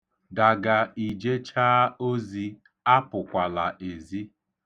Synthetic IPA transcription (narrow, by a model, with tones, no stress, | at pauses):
da˨ɡa˨i˨d͡ʒe˦t͡ʃaː˦o˦zi˦ | a˦pʊ˨kʷa˨la˨ʔe˨zi˦